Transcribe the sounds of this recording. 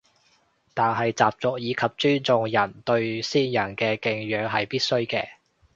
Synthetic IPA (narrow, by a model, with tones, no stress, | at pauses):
t̪aː˨nɦɐ˨jt͡saː˨p̚t͡sʊ˨k̚jiː˨˧kʰɐ˨p̚t͡ʃyː˥nt͡sʊ˨˧ŋjɐ˨˩nt̪ɵ˧ɥsiː˥njɐ˨˩nkɛː˧kɪ˧ŋjœː˨˧˥ŋɦɐ˨jpiː˥t̚sɵ˥ɥkɛ̰ː˧